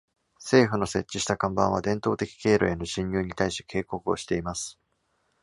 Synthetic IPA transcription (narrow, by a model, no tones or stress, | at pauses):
se̞ːɸɯ̟no̞se̞t͡ɕːiɕi̥t̪akãmbãɰ̃βad̪ẽ̞nt̪o̞ːt̪e̞kʲi̥ke̞ːɾo̰e̞no̞ɕĩɲjɨːɲ̟it̪aiɕt̪eke̞ːko̞kɯo̞̰ɕi̥t̪e̞imasɨ̥